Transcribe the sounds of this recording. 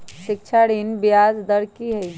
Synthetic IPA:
ʃɪkt͡ʃʰaɽinbjaːzd̪əɾkiɦɛi

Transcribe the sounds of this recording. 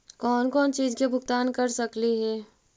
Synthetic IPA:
kɔːnkɔːnt͡ʃiːzkebʱʊɡt̪aːnkɐɾsɐkliɦɛː

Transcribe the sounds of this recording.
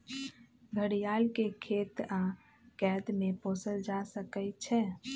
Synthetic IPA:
ɡʱəɽijalkekʰet̪a | kɛd̪meposəld͡ʒasəkəɪt͡ʃʰɛ

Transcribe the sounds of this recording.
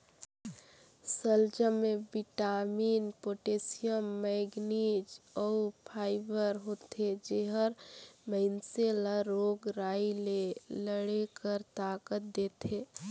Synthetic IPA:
səld͡ʒəmebiʈamiːnpoʈesijəmːɛɡnid͡ʒɔupʰaːɪbəɾɦoːt̪ed͡ʒeɦəɾməɦɪnseləɾoɡɾaileləɽekəɾt̪akət̪̚d̪et̪eː

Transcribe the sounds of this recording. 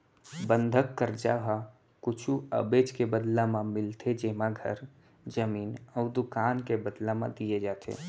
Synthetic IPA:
bə̃nd̪ʱəkːəɾd͡ʒaɦa | kʊt͡ʃʰuə̰beːd͡ʒkebəd̪lamãmɪlt̪ʰed͡ʒeːmãɡʱə̰ɾ | d͡ʒəmiːnɔːɾd̪ʊkaːnkebəd̪lamã̰d̪ijed͡ʒaːt̪ʰḛː

